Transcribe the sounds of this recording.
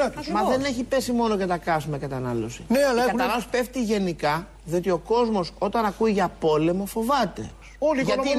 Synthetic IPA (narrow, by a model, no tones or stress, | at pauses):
ɐt̪smɐðe̞ne̞çipe̞simo̞noʝɐt̪ɐkɐsumekɐt̪ɐnɐlo̞̰sineɐlɐeɐspe̞ft̪iʝe̞nikɐ | ðio̞t̪io̞ko̞zmo̞so̞t̪ɐnɐkuiʝɐpo̞le̞mo̞fo̞vɐt̪e̞̰ | olʝɐt̪i